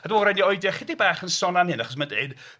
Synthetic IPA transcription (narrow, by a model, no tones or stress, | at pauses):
admɔɾɛniɔɨdjaχɪdibaːχənsɔnanhɪnaχɔs̬mandeɨd̥